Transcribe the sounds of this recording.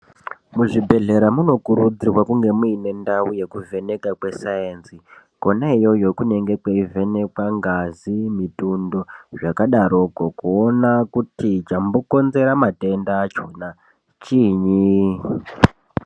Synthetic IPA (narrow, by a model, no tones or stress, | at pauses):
muʐibʱe̞ɮe̞ɾamuno̞kuɾud͡zirwakuŋɡe̞muine̞ndauje̞kuve̞ne̞kakwe̞saensi | konaijo̞jo̞kune̞ŋɡe̞kweive̞ne̞kwaŋɡazimitundo̞ʐakaɗaɾokokuonakutit͡ʃamboko̞nze̞ɾamate̞ndaːt͡ʃona | t͡ʃiɲi